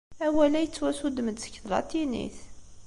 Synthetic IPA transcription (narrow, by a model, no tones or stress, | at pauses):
æwælæjət͡sːwæsud̪məd̪sə̥çəɾˤɑ̰t̪ːinḭθ